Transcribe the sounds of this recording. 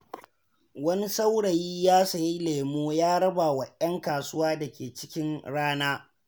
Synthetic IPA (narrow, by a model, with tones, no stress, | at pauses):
wɐ˦ni˦sa˦wɽɐ˨jiː˦jaː˦sɐ˨ji˦leː˨moː˦jaː˦ɽɐ˦ba˨wɐ˨ʔjɐ˦ŋkaː˨sʊ˦waː˦da˨kʲeː˨t͡ʃɪ̥˦kʲɪ˦nɽaː˦naː˦